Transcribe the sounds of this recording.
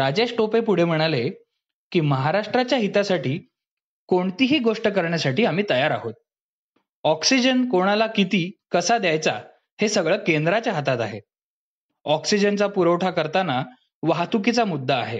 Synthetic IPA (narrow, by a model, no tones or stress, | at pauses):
ɾad͡ʑesʈopepuɽ̤em̤əɽ̃ale | kiːməɦaɾaʂʈɾat͡ɕjaɦit̪asaʈʰiː | koɳt̪iːɦiːɡoʂʈəkəɾɳjasaʈiːam̤iːt̪əjaɾa̰ɦot̪̚ | ɔksid͡ʑənkoɽ̃alakit̪iːkəsad̪jajt͡sa̰ | hesəɡɭəkend̪ɾat͡ɕjaɦət̪at̪aɦe | ɔksid͡ʑənt͡sapuɾəwʈʰakəɾt̪ana | ʋaɦt̪uk̬it͡samud̪ʱːaːɦḛ